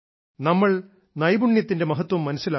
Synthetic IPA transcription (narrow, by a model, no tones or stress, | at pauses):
nɐmːɐɭ | nɐjbuɳjɐt̪ːinde̞mɐɦɐt̪ːwɐmːɐnɐsːila